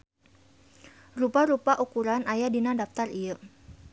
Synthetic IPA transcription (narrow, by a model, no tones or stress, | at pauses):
rupaɾupaʔukuɾanajadinadaft̪arijə